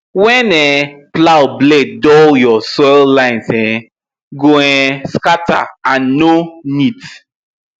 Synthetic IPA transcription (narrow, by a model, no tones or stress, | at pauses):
wɛ̃nɛplawbledɔljɔsɔllãɪ̃nsɛ̃ | ɡoɛ̃skata̰ãnːonit